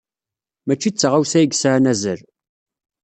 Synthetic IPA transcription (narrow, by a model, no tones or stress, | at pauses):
mæt͡ʃːit͡sːʁawsæəɡsʕnæzəl